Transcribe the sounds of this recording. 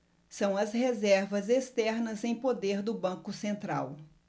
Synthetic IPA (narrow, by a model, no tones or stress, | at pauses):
sɐ̃w̃ɐzhezɛɾvɐzest̪ɛɾnɐzẽj̃pod̪eɾd̪ʊbɐ̃kʊsẽnt̪ɾa̰w